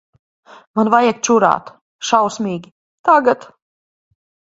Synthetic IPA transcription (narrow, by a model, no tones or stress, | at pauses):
manvajɛk̚t͡ʃuɾa̰ːt̪ | ʃawsmiːɡʲi | t̪aɡat̪